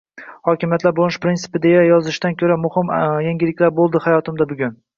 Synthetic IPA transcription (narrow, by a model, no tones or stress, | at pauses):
hɒkʲɪmjat̪ʰlaɾbolnɪʃpɾɪnsɪ̥pɪd̪e̞jajɒzɪʃd̪ankʲʰɵɾamʊhɪmjaŋɡʲɪlɪkʲlaɾbolˠd̪ɪhajɒt̪ʰɪmd̪abʊɡʲʊn